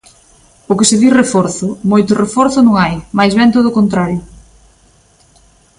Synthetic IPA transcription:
ʊkɪsɪðirefɔɾθʊmojt̪ʊrefɔɾθʊnũŋajmajzβɛnt̪oð̞oʊkont̪ɾaɾjʊ

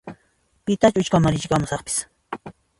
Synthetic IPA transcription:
pɪt̪at͡ʃʊt͡ʃkamaɾɪt͡ʃkamʊsɑχpɪ̥s

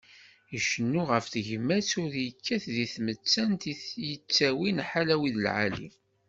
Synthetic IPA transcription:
iʃənːuʁəfθəʝəmːæsʊðjəkʰːæθðiθmət͡sːænt̪ijət͡sːæwinħalæwiðəlʕa̰lḭm

